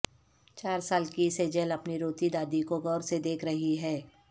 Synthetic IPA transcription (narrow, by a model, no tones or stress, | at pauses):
t͡ʃaːɾsaːlkised͡ʒəlɐpniɾoːt̪id̪aːd̪ikoɡɔːɾsed̪eːkʰɾɐɦiɦɛː